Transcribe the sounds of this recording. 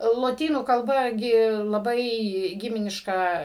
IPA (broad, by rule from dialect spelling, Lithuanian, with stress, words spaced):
lˠoːˈtʲiːnuː kɐlˠˈbɐ ˈɡʲɪ lˠɐˈbɐɪ ˈɡʲɪmʲɪnʲɪʃkɐ